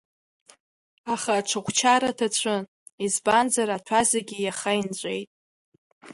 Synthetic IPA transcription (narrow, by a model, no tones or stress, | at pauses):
aχaʈ͡ʂʰaχʷt͡ʃʰaɾatʰat͡ɕʷʰɨn | izband͡zaɾatʰazeɡʲijaχaint͡ɕʷʼejtʼ